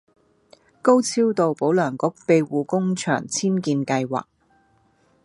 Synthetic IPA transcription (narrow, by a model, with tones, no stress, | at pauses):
ko˥wt͡sʰiː˥wt̪o˨wpo˨˥wlœː˨˩ŋkʊ˨˥k̚pe˨˧jwuː˨kʊ˥ŋt͡ʃʰœ̰ː˨˩ŋt͡sʰiː˥nkiː˧nkɐ˧jwa̰ː˨˩k̚